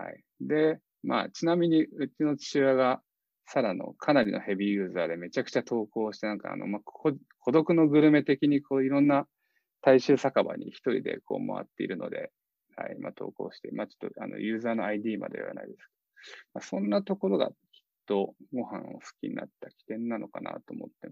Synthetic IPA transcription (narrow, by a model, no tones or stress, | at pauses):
ha̰i | d̪e̞ | ma̰ːt͡ɕinamʲiɲ̟iɯ̟t͡ɕino̞t͡ɕi̥t͡ɕɨβaɡa | saɾano̞̰kʰanaɾʲinohe̞bʲijɯ̟ːzaːd̪e̞me̞t͡ɕakɯ̟̥t͡ɕat̪o̞ːko̞ːɕi̥t̪enãŋkaa̰ːno̞̰makʰo | kʰo̞d̪o̞kɯ̟no̞ɡɯ̟ɾɯ̟me̞t̪e̞kʲiɲ̟ikʰoːiɾõ̞nːa | t̪aiɕɨːsakaba̰ɲ̟içi̥t̪o̞ɾʲḭd̪e̞̰kʰo̞̰ːma̰βa̰t̪ːe̞ḭɾɯ̟no̞d̪e̞̰ | ha̰ima̰ːt̪ʰo̞̰ːko̞̰ːɕi̥t̪emaːt͡ɕo̥t̪ːo̞a̰no̰jɯ̟ːzaːno̞aid̪ʲiːma̰d̪e̞βa̰na̰id̪e̞sɨ̥ke̞d̪̥omasõ̞nːat̪o̞ko̞ɾo̞ɡa̰kʲi̥t̪ːo̞ɡo̞hãɰ̃osɨ̥kʲiɲ̟ḭna̰t̪ːakʲi̥t̪ẽ̞nːano̞kana̰t̪o̞ːmo̞t̪ːe